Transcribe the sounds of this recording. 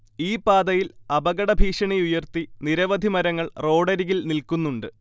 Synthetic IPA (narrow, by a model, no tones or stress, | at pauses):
iːpaːd̪ɐjilɐbɐɣɐɽɐbʱiːʂɐɳejujɐrt̪iniɾɐʋɐd̪ʱimɐɾɐŋːɐɭro̞ːɽɐɾiɣilnilkunːuɳɖɨ